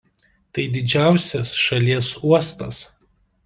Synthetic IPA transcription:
t̪ɐɪd̪ʲɪd͡ʒʲæˑʊsʲɛsʃɐlʲiɛsuɔst̪ɐs

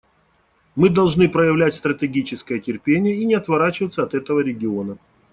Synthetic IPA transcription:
mɨd̪ɐlˠʐnɨpɾəjɪvlʲætʲst̪ɾət̪ʲɪɡʲit͡ɕɪskəjətʲɪrpʲenʲɪjəinʲɪɐt̪vɐɾat͡ɕɪvət̪səɐt̪ɛt̪əvəɾʲɪɡʲɪo̞nə

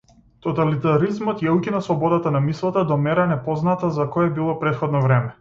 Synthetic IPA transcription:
t̪ɔt̪alit̪aɾizmɔt̪jaucʲinaslˠɔbɔd̪at̪anamislˠat̪ad̪ɔmɛɾanɛpɔznat̪azakɔjɛbilˠɔpɾɛt̪xɔd̪nɔvɾɛmɛ

